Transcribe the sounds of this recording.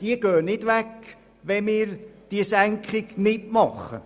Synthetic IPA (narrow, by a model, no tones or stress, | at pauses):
d̥iəɡ̥øːnɪd̥ʋɛk | ʋɛnmɪːɾd̥iəsæŋkχɪɡnɪtmɑχə